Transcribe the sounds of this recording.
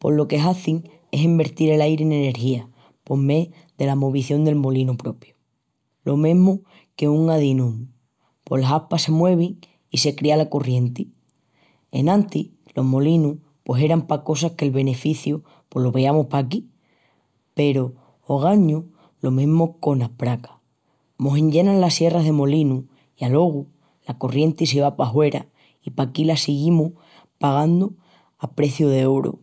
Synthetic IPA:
po̞̰lo̞ke̞ɦaθiŋ | e̞simbe̞ɾt̪iɾe̞lajɾene̞ne̞ɾxia | po̞ɾme̞ | ðe̞lamo̞β̞iθjo̞nd̪e̞lmo̞linupɾo̞pjo̥ | lo̞mẽɦmo | ke̞uŋaðinũm | po̞laɦapase̞mwe̞β̞iŋ | ise̞kɾialako̞rje̞nt̪i | e̞̰nãnt̪i | lo̞ɦmo̞linu | pwose̞ɾampako̞s̬ahke̞lβe̞ne̞fiθjo | pwe̞hloβe̞amohpak̬i | pe̞ɾoː | ɣ̞aɲu | lo̞mĩɦmoko̞napɾakḁ | mo̞ɦẽɲɟe̞nãnlasje̞raɦðe̞mo̞linu | ialo̞ɣ̞u | lako̞rje̞nt̪is̬eβapaɦwe̞ɾa̰ | ipakilasiɣimuh | paɣ̞and̪o | apɾe̞θjuðe̞oɾo̰

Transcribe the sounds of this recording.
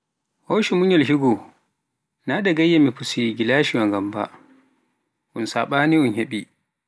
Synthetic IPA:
hoːʃimuɲɔlɦiɡɔ | nadaɡajːamipusiɡilaʃiwaŋɡamba̰ | ʔunsaɓaːniunheɓi

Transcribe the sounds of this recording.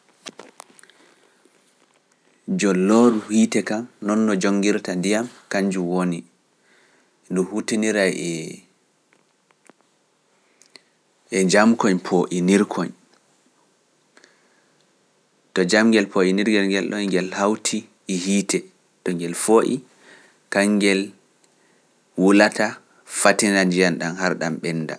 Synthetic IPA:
d͡ʒɔlːoɾuhiːtɛkamnɔnːɔd͡ʒoŋɡiɾtandijamkaɲd͡ʒumwoni | dumhutiniɾajɛ | ʔɛd͡ʒamkɔɲpʰoʔiniɾkʰɔɲ | tɔd͡ʒamɡɛlpʰoʔiniɾɡɛlŋɡɛlɗɔŋɡɛlhawtʰiː | hiːtʰɛ | tɔŋɡɛlfoʔḭ | kaŋːɡɛl | wulata | fatinand͡ʒijanɗanhaɾɗamɓɛnːda̰

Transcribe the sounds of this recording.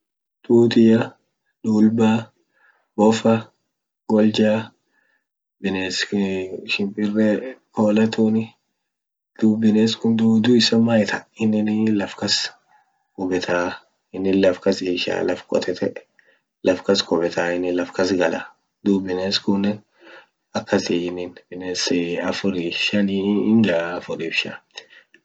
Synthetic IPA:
t̪ʼuːt̪ɪjɐ | ᶑuːlbaː | bɔfɐ | ɡ̥ɔld͡ʒaː | bɪneːsʃɪmpʼɪrːɛkoːlɐt̪unɪ | d̪̥uːbɪneːskʊnd̪uːd̪ʊɪsɐmːajɛt̪ʰɐɪnːɪnɪlɐfkɐs | kʊbɛt̪ʰaː | ɪnːɪnlɐfkɐsɪʃa̰ːlɐfkʼɔ̰t̪ʰɛt̪ʰɛʔ | lɐfkɐskʼʊbɛt̪ʰaːɪnːɪlɐfkɐsɡɐlɐ̰ | d̪uːbɪneːskʊnːɛ | ɐkːɐsɪɪnːɪnbɪneːsɐfʊɾɪʃɐnind͡ʒafʊɾɪbʃɐ̰

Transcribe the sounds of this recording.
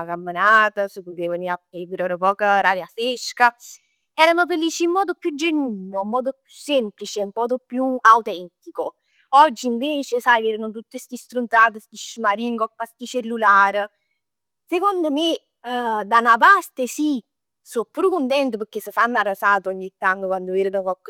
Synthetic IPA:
akamːənaːt̪asukut̪eːvəniaepiɾanəpɔːkaɾaɾjaseʃka | ɛːɾanofelːiːt͡ʃiːmːɔːd̪opjud͡ʒenwiːɲoimːɔːd̪opjusːɛmplit͡ʃɛumpɔːd̪opjuawt̪ɛnt̪iko | ɔd͡ʒːiːɱveːt͡ʃesajveːɾənot̪̬ut̪ːist̪ist̪ɾunt̪t̪aːt̪̬əst̪iʃmaɾiŋɡɔkːast̪it͡ʃelːulaːɾ | sekond̪ome | d̪anap̬ast̪esi | sopːuːɾukunt̪ɛnt̪əpəɾk̟ːesːəfanːarəsaːt̪oɔɲːit̪ːaŋːəkwand̪oviːɾənokɔkː

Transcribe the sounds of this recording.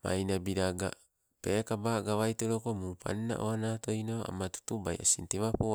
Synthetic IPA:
ma̰jnabiɾaɡa̰ | pekabaːɡaβajtoɾoko̞mupʰa̰nna̰ʔoanato̞jnoa̰matu̥tubajʔa̰sinteβapo

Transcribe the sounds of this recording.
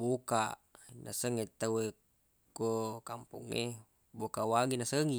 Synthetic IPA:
bukanasəŋet̪awe | kokampṵŋːḛ | bokawaŋinasəŋi

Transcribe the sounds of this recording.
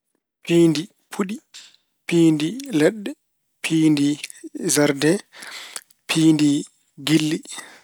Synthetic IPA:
piːndi | pʰuɗi | piːndilɛɗːɛ | pʰiːndizaɾdɛ | pʰiːndi | ɡilːi

